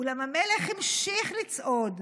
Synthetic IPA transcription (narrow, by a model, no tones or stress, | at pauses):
ulamameleχhimʃiχlit͡sʔod